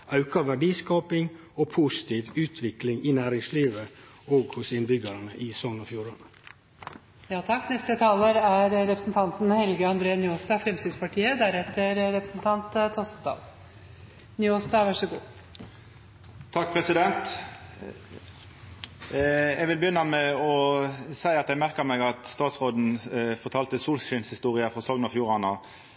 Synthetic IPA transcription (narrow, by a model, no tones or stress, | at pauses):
ɑʉkɑʋæɖiːskɑːpɪŋ | oːpʰusɪ̥t̪ʰiːʋʉːt̪ʰʋɪklɪŋɪnæːɾɪŋsliːʋə | oːɡhʊsɪnbʏɡəɾɑnəʔiːsɔnɔfjuːɾən | jɑːt̪ʰɑkːnɛst̪ət̪ʰɑːləɾæɾɾɛpɾəsn̩t̪ʰɑnt̪n̩hɛlɡəɑnd̪ɾeːənjoːst̪ɑːfɾɛmst̪ɪːd̪spɑʈʰiːəd̪æɾɛt̪ːəɾɾɛpɾəsn̩t̪ʰɑnt̪t̪ʰɔsd̪ɑ̰ːl | njoːst̪ɑːʋæʂəɡṵː | t̪ʰɑk̚pʰʁɛsɪd̪ɛnt̪ | ɛɡʋɪlbəjʏnːɑmɛɔsæɪɑt̪ɛɡmæʁkəmɛɡɑt̪st̪ɑːt̪sʁoːd̪n̩fɔʁt̪ʰɑːlt̪əsuːlsʃɪnshɪst̪uːʁɪəfɔʁsɔŋnɑfjuːʁɑnɑ